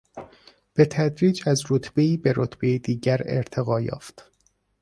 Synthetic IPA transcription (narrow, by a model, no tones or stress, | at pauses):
b̥e̞t̪ʰæd̪ɾiːd͡ʒæzɾot̪ʰb̥eiːbeɾot̪ʰbejed̪iːɟæɾḛɾt̪ʰe̞ɣɒːjɒ̰ːft̪